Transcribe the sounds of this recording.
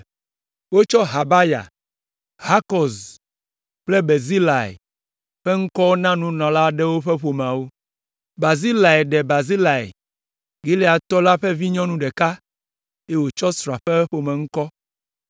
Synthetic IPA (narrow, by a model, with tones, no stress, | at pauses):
wo˦t͡ʃɔ˦ɦa˨ba˦ja̰˨ | ha˦kɔ˨z | k͡plɛ˦be˨zi˦la˨ḛ˨ | ɸɛ˦ŋ̩˦kɔ˦wo˦nã˦nũ˦nɔ̃˨la˦ɖɛ˦wo˦ɸɛ˦ɸo˨m̃˨ã˨wo˦ | ba˨zi˦la˨ɛ˨ɖɛ˨ba˨zi˦la˨ḛ˨ | ɡe˦le˦a˨t̪ɔ˦la˦ɸɛ˦vi˦ɲɔ̃˦nũ˦ɖɛ˨ka˦ | e˦wo˨t͡ʃɔ˦sɾɔ˨a˨ɸɛ˦ɸo˨mɛ̃˨ŋ̩˦kɔ˦